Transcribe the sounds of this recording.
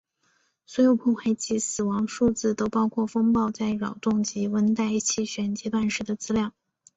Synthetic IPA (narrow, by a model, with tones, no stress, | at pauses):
swɔ˧˥jo˨˩ʊpʰɔ˥˩xʰwa˥˩ɪt͡ɕi˥˩sɹ̩˨˩wɑ˧˥ŋʂu˥˧t͡sɹ̩˥˩t̪o˥ʊpɑ˥ʊkʰwɔ˥˩fɤ˥ŋpɑ˥˧ʊt͡sa˥˩ɪɻɑ˨˩ʊt̪ʊ˥˩ŋt͡ɕi˧˥wə˥nt̪a˥˧ɪi˥˩t͡ɕʰi˥˩ɕɥɛ˧˩nt͡ɕɛ˧˥t̪wa˥˩nʂɻ̩˧˥d̪ə˧t͡sɹ̩˥ljɑ˥˩ŋ